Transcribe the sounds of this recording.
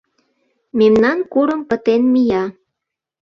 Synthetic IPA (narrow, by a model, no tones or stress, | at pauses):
memnɑnkuɾəmpət̪enmijɑ